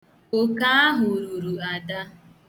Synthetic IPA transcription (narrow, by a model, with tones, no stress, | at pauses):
o˨ka˦a˦ɦʊ˨ɾu˨ɾu˨a˨da˦